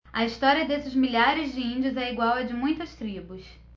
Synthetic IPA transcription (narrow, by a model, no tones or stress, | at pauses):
ɐist̪ɔɾiɐd̪esɪzmiʎaɾɪzd͡ʒɪĩd͡ʒiʊzɛiɡwawɛd͡ʒɪmũj̃t̪ɐst̪ɾibʊs